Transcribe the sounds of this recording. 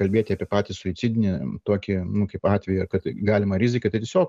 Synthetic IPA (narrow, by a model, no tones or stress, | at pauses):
kɐlʲbʲeːt̪ʲɪɐːpʲiɛpɑːt̪ʲɪsʊɪt͡s̪ʲɪd̪ʲɪnʲɪt̪oːkʲɪnʊkɐɪpɑːt̪ʲʋʲɛjʊɐkɐt̪ɡɑːlʲɪmɐɾʲɪzʲɪkɐt̪ɐɪt̪ʲeɛsʲoːk